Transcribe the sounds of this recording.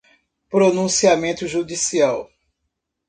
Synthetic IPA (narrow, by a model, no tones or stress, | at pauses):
pɾonũsiamẽt̪ʊʒud̪isiaw